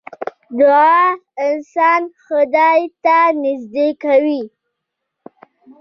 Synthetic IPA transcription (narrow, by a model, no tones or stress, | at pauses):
d̪ʊɑɪnsɑnxəd̪ɑjt̪anɪzd̪ekawi